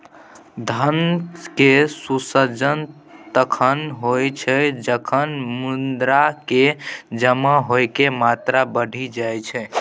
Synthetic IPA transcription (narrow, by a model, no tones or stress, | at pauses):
d̪ʱənkesusəd͡ʒən | t̪əkʰənɦojt͡ʃʰɛd͡ʒəkʰənmund̪ɾaked͡ʒəmaɦojkemat̪ɾabəɽ̤ʱid͡ʒajt͡ʃʰɛ